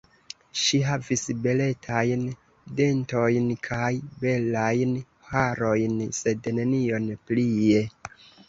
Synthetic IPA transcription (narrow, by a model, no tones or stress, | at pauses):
ʃiɦavisbe̞le̞tʰajn | de̞nto̞jnkʰajbe̞lajn | haɾo̞jnse̞dne̞nio̞nplie